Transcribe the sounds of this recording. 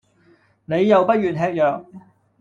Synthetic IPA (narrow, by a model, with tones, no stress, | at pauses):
ne˨˧jːɐ˨wpɐ˥t̚jyː˨nɦɛː˧k̚jœː˨k̚